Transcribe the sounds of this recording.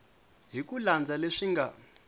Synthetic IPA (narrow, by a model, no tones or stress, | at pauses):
ɦikuland͡zaleʂiŋɡa